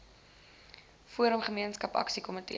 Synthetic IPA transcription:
fuəɾəmχəmiənskɐpɐ̰ksikɔmətḭ

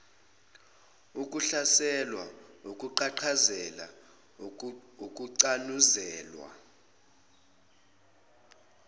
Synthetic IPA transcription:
ukʼuɬasɛlwaukʼuǃaǃʰazɛla̰ | ok̬ʼuǀanuzɛːlwa̰

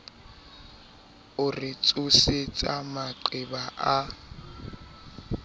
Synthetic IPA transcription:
ʊrɪt͡sʼʊset͡sʼamaǃɪbaʔa

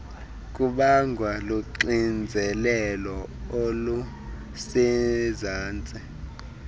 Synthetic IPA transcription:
kʼuɓaŋɡʱwaluǀind͡zʱɛlɛlɔolu | sizaːnt͡sʼɛ

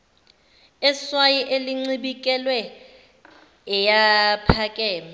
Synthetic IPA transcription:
ɛswajiʔeliŋ͡ǀiɓikʼɛlwɛ | ɛjapʰakʼɛːma

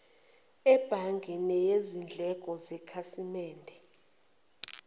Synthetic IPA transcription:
ɛb̥ʱaŋɡʱɛnɛjezind͡ɮʱɛɡ̥ʼʱɔzɛkʰasimɛːndʱɛ

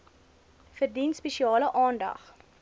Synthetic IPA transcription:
fərdinspɛʃiɑːləʔɑːndɐ̰χ

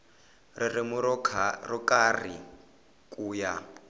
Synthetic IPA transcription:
rɪrɪmʊrɔkʼarḭ | kʼuːja

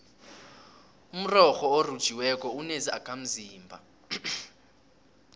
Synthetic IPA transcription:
um̩rɔxɔorud̥ʒ̥ʱiwɛkʼɔunezia̰kʰʼam̩ziːmbʱa̰

